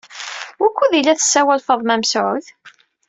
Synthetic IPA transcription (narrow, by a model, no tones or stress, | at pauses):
wʊkʷːuðilːæθə̥sːæwælfəðˤmæmsʕʊθ